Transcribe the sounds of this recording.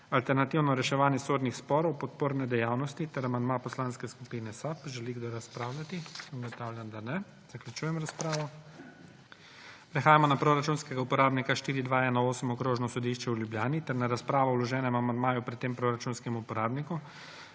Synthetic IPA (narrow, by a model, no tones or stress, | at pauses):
alt̪ɛɾnat̪iwnɔɾɛʃɛʋaːnjɛsoːd̪nixspɔːɾɔwpɔt̪̚poːɾnɛd̪ɛjaːwnɔst̪it̪ɛɾamand̪mapɔslanskɛskupiːnɛsapʒɛliɡd̪oɾaspɾaːwlʲat̪isəmɡɔt̪aːwlʲjand̪anɛ | z̥aklʲut͡ʃuːjɛmɾaspɾaːʋɔ | pɾɛxaːjamɔnapɾoɾat͡ʃuːnskɛɡaupɔɾaːbnikaʃt̪iːɾid̪ʋaɛnɔoːsəmɔkɾoːʒnɔsɔd̪iʃt͡ʃɛwljubljaːnit̪ɛɾnaɾaspɾaːʋɔwlɔʒɛːnɛmamand̪maːjupɾɛt̪ːeːmpɾoɾat͡ʃuːnskɛmupɔɾaːbniku